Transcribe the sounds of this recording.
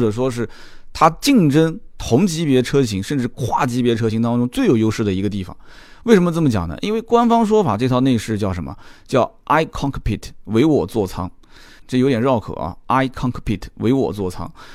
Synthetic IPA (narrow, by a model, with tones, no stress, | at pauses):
ʈ͡ʂɤ˨˩ʂ̬wɔ˥ʂɻ̩˥˩ | t̪ʰa˥t͡ɕi˥˩ŋʈ͡ʂə˥ŋt̪ʰʊ˧˥ŋt͡ɕi˧˥pjɛ˧˥ʈ͡ʂʰɤ˥ɕ̬i˧˥ŋʂə˥˧nʈ͡ʂɻ̩˥˧kʰwa˥˩t͡ɕi˧˥pjɛ˧˥ʈ͡ʂʰɤ˥ɕi˧˥ŋt̪ɑ˥ŋʈ͡ʂʊ˥ŋt͡swe˥˩ɪjo˨˩ʊjo˥ʊʂɻ̩˥˩d̪ə˩i˧˥ɡə˧t̪̬i˥˩fɑ̰˨˩ŋwe˥˩ɪʂə˧˥nmə˧t͡sə˥˩mət͡ɕjɑ̰˨˩ŋnə̰˦ʔḭ˥nwe˥˩ɪkwa˥nfɑ˥ŋʂ̬wɔ˥fa˨˩ʈ͡ʂɤ˥˧t̪ʰne˥˧ɪʂɻ̩˥˧t͡ɕjɑ˥˩ʊʂə˧˥nmə̰˧t͡ɕjɑ˥˩ʊʔa˥ɪkʰɑ˥ŋkʰpʰi˥˩t̪ʰwe˧˥ɪwɔ˨˩t͡swɔ˥˩t͡sʰɑ˥ŋ | ʈ͡ʂɤ˥˩jo˧˥ʊt̪jɛ˨˩nɻɑ˥˩ʊkʰɤ̰˨˩˦ɐ̰˦a˥ɪkʰɑ˥ŋkʰpʰi˥˩t̪ʰwe˧˥ɪwɔ̰˨˩t͡swɔ˥˩t͡sʰɑ̰˥ŋ